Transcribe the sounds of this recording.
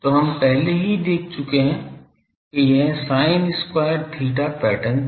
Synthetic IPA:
t̪oɦɐmpɛɦleɦid̪eːk̚ʰt͡ʃʊkeɦɛ̃ | kejeɦsaːɪnɪskwaːjəɾt̪ʰiːʈapɛːʈən

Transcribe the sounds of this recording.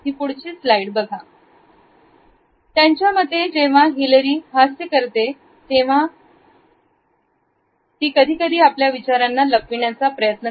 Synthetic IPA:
ɦiːpuɽt͡ɕiːslaiʈbəɡʱa | t̪jaɲt͡ɕjaməd̪ʱːed͡ʑeʋ̤aɦiləɾiːɦasjəkəɾt̪e | t̪eʋ̤a | t̪iːkəd̪ʱiːkəd̪ʱiːapljaʋit͡ɕaɾanːaləkʋiɳjat͡sapɾəjət̪nə

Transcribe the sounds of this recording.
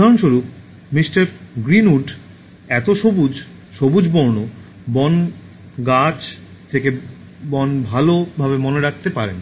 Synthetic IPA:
aɾonʃuɾup | misʈaɾɡɾinuɖ | ɛt̪oʃobud͡ʑ | ʃobud͡ʑbɔɾno | bɔn | ɡat͡ɕ | t̪ʰeke | bɔnbʱalobʱabemoneɾak̚ʰt̪epaɾen

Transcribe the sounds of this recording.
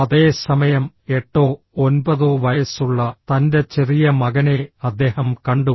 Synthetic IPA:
ɐðe̞ːsɐmɐjɐm | e̞ʈːoː | onbɐðoʋɐjɐsuɭːɐt̪ɐnde̞t͡ɕerijɐmɐɣɐne̞ɐd̪ːe̞ːhɐmkɐɳɖu

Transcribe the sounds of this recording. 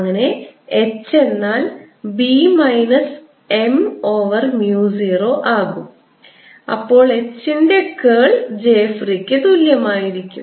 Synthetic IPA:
ɐŋːɐne̞et͡ɕːe̞nːaːl | bimɐjnɐs | e̞moːʋɐrmjuːsiro̞ːʔaːɣum | ɐ̰pːo̞ːɭe̞t͡ɕːinde̞keːɭd͡ʑe̞ːfrikʲːɨt̪uljɐmaːjiɾikʲːum

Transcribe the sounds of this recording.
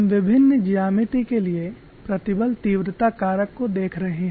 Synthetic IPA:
mʋɪbʱɪnːd͡ʒijaːmɪt̪ikelie | pɾɐt̪ɪbəlt̪iːʋɾɪt̪akaːɾəkːod̪eːkʰɾɐɦẽɦɛ

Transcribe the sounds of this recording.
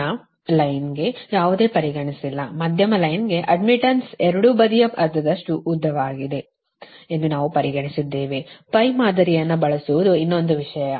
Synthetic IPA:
ɐ | lɐjnɡe̞jaːʋud̪e̞ːpɐɾiɡɐɳisilːɐmɐd̪ʱjɐmɐlɐjnɡe̞ʔɐɖmiʈɐnsɛɾɐɽubɐd̪ijɐpɐɾt̪ɐd̪ɐʂʈuʔːd̪ʱːɐʋaːɡid̪e̞ | end̪unaːʋupɐɾiɡɐɳisid̪ːe̞ːʋepɐjmaːd̪ɐɾijɐnːɐbɐɭɐsuʋud̪uinːo̞nd̪uʋiʂɐjɐ

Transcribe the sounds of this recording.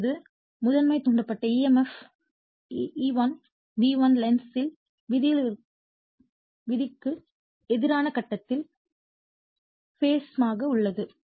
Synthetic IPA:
ðɯ | mʊðɐnmɐɪt̪ʊɳɖɐpːɐʈːɐiːɛmɛf | iːʋɐn | diːʋɐnlɛnsɪl | ʋɪðɪ | ʋɪðɪkːɯ | ɛðɪɾaːnɐkɐʈːɐt̪ːɪl | feːsmaːɣɐʊɭːɐðɯ

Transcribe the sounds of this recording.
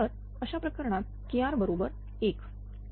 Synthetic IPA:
əɾ | əɕapɾəkəɾɳ̃at̪̚ | kijaɾbəɾobəɾ | ek

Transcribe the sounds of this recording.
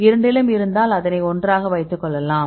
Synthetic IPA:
ɪɾɐɳɖɪlɐmɪɾɯnd̪aːlɐðɐnɐɪɔndraːɣɐʋɐɪt̪ːɯkːɔɭːɐlãː

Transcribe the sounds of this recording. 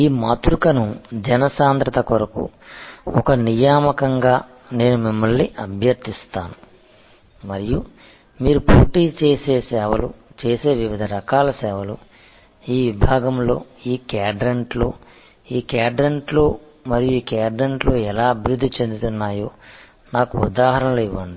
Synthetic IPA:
iːmɐt̪ɾukɐnud͡ʒɛnɐsaːnt̪ɾɐt̪ɐkɔɾɐkṵɔkɐnijaːmɐkɐŋɡaː | ne̞ːnumimːɐɭniʔɐbʱjɐɾt̪ist̪aːnu | mɐɾiju | miːɾupṵːʈiːt͡ʃeːse̞ːsɛːʋɐlṵt͡ʃe̞ːse̞ːʋiʋid̪ʱɐɾɐkaːlɐsɛːʋɐlu | iːʋibʱaːɡɐmlo̞ːiːkaːɖɾeɳʈlo̞̰ː | iːkaːɖɾeɳʈlo̞ː | mɐɾijuiːkaːɖɾeɳʈlo̞ːɛlaːɐbʱiɾud̪ːit͡ʃe̞nd̪ut̪unːaːjo̞ː | naːkuṵd̪aːɦɐɾɐnɐloːiʋːɐɳɖi

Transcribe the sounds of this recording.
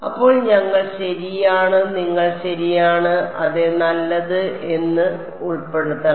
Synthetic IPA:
ɐpːo̞ːɭɲɐŋːɐɭɕɐɾijaːɳɨniŋːɐɭɕɐɾijaːɳɨʔɐðenɐlːɐðɨe̞nːɨ | uɭpːe̞ɽut̪ːɐ

